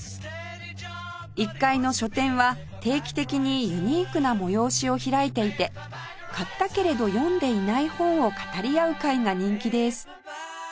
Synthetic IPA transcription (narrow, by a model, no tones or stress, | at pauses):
ikːaino̞ɕo̞t̪ẽ̞ɰ̃βa | t̪e̞ːkʲi̥t̪e̞kʲiɲ̟ijɯ̟ɲ̟iːkɯ̟namo̞jo̞ːɕio̞çiɾaet̪e̞it̪e̞ | kat̪ːake̞ɾe̞d̪o̞jõ̞nd̪e̞inaihõ̞ɰ̃o̞kḁt̪aɾʲiaɯ̟kaiŋaɲ̟ĩŋkʲid̪e̞sɨ̥